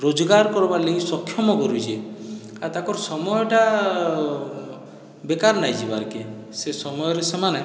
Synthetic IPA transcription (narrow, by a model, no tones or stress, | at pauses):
ɾod͡ʒɔɡaɾkɔɾbaleisɔkʰːjɔmɔkɔɾud͡ʒʰe | at̪akɔɾsɔmɔjɔʈa | bekaɾnajd͡ʒibaɾke | sesɔmɔjɔɾesemane